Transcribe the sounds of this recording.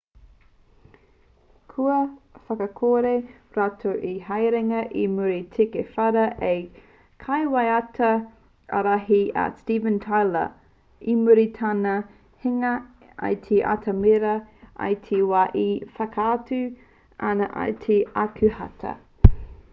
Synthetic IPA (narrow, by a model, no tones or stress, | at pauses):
kʰuɐfɐkɐkʰoːɾe | ɾatʰowʔiɦɐjɾɛŋɐʔimuɾitʰekefɐɾɐʔej | kʰɐjwɐjɐtʰɐ | ɐ̰ɾaɦiɐ̰stiːvə̃ntʰajlə̰ | imuɾitʰanɐ | hiŋɐ | ɐ̰jtʰeʔa̰tʰɐmeɾɐʔɐ̰jtʰewaːʔifɐkʰaːtʉ | ɐnɐʔɐ̰jtʰeɐkʰʉhɐ̰tʰɐ̰